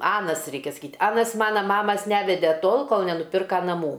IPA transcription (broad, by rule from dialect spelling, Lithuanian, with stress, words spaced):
ˈɑːnɐs ˈrʲɛɪkʲɛ sɐˈkʲiːt ˈɑːnɐs ˈmɑːnɐ ˈmɑːmɐs ˈnʲæːʋʲɛdʲɛ ˈtoːlˠ ˈkoːlˠ nʲɛnʊˈpʲɪrkɐ nɐˈmuː